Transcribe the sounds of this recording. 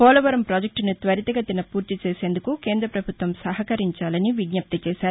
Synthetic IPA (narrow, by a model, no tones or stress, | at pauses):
fɔːlʋɐɾɐmpɾaːd͡ʒek̚ʈnut̪ʋɐɾit̪ɐɡɐt̪inɐpuːɾt̪it͡ʃeːse̞ːnd̪ukukeːnd̪ɾɐpɾɐbʱut̪ʋɐmsɐɦɐkɐɾiɲt͡ʃaːlɐniʋiɡɲɐp̚t̪ɐt͡ʃɛːʃaːɾu